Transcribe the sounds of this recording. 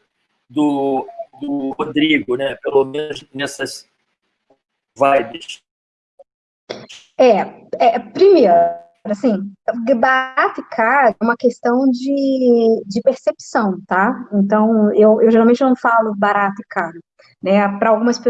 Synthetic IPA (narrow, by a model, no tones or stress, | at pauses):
d̪ʊd̪ʊhod̪ɾiɡʊnɛpelomẽnʊznɛsɐs | vajbɪs | ɛɛpɾimeɾ | ɾasĩbaɾat̪ʊɪkʰaɾũmɐkest̪ɐ̃w̃d͡ʒɪ | d͡ʒɪpeɾsepi̥sɐ̃w̃t̪aẽnt̪ɐ̃w̃ewʔewʒeɾawmẽnt͡ʃɪnɐ̃w̃falʊbaɾat̪ʊɪkaɾ | nɛpɾɐawɡũmɐspe